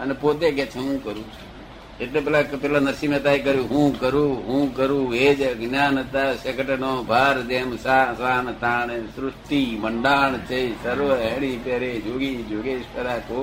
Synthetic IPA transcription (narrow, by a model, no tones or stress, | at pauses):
ənepoːt̪̬ekeːt͡ʃʰeɦũːkəɾũː | eʈleːp̬ɛːlaːkpɛːlãːnəɾsimẽt̪aːikəɾjũːɦũːkəɾuːɦũːkəɾũːeːd͡ʒɡnaːnət̪aːsekəʈənõːbʱaːɾd̪eːmsaːsaːnt̪aːnesɾʊʂʈiːməɳɖaːɳt͡ʃəisəɾʋəɦeːɽiːpeːɾeːd͡ʒoːɡiːd͡ʒoːɡeːspəɾaːkoː